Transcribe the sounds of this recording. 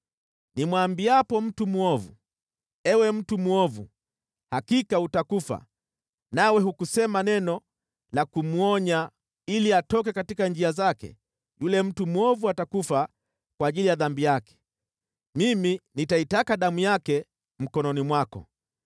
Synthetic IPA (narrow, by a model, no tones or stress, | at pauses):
nimwambiapɔm̩tumuɔvṵ | ɛwɛm̩tumuɔvṵ | hakikautakufa̰ | nawɛɦukusɛmanɛnɔ | lakumuɔɲa | iliatɔk̬ɛkatikand͡ʒiazakɛ̰ | julɛm̩tumuɔvuatakufa | kwaːʄilijaðambijakɛ̥ | miminitaitakaɗamujakɛ | m̩kɔnɔnimwakɔ̰